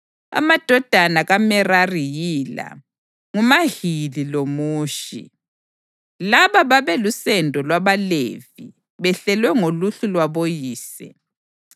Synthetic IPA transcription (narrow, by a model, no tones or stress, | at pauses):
a̰mad̥ʱɔd̥ʱanaɣamɛrarijiːla̰ | ŋumahililomuːʃḭ | laβaβaβɛlusɛndʱɔlwaβalḛv̥i | βɛɬɛlwɛŋoluɬulwaβojiːsɛ̰